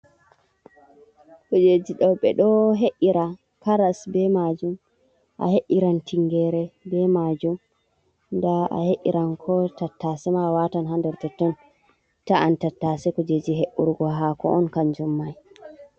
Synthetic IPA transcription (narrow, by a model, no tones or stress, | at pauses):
kɔd͡ʒed͡ʒiɗɔwɓɛɗɔɦeʔiɾa | kaɾasbɛmad͡ʒum | ʔa̰heʔiɾantʰiŋɡɛɾɛbɛmad͡ʒum | ndaa̰heʔːiɾʔankʰɔtatːasɛmawatanɦandɛɾtɛtːɔn | taantatːasɛkɔd͡ʒed͡ʒiɦeʔuɾɡɔɦakɔ̰ʔɔnkand͡ʒumːaj